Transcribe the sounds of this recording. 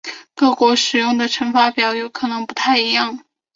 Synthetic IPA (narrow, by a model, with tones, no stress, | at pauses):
kɤ˥˩kwɔ˧˥ʂɻ̩˨˩jʊ˥˩ŋd̪ə˩ʈ͡ʂʰə˧˥ŋfa˥pjɑ˧˥ʊjo˧˥ʊkʰɤ˨˩nɤ˧˥ŋpu˧˥t̪ʰa˥˩ɪi˧˥jɑ˥˩ŋ